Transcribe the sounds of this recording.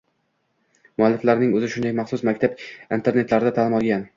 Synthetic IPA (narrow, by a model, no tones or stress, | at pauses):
mʊalːɪflaɾnɪŋɵzɪʃʊnd̪ajmɑχsʊsmakʲt̪abint̪ʰe̞ɾne̞t̪laɾɪd̪at̪ʰaːlɪmɒlˠɡʲan